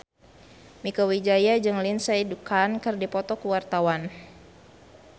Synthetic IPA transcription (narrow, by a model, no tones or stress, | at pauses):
mikɔwid͡ʒajad͡ʒɨŋlinsaidukʰankɨrdipɔt̪ɔkuwart̪awan